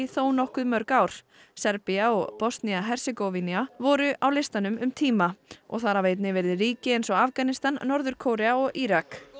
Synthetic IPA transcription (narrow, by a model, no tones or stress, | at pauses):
iθoːwnɔhkʏðmœɾkawɾ̥ | sɛɾpiaɔɣpɔst̪niaɦɛr̥sɪkovinjavɔɾʏʔawlɪst̪anʏmʏmt̪ʰiːmaɔ̰ɣθaɾavejt̪̬nɪvɛɾðɪɾiːcɪejnsɔɣafkanɪst̪anːɔɾðʏɾ̥kʰowɾɛaɔɣiɾak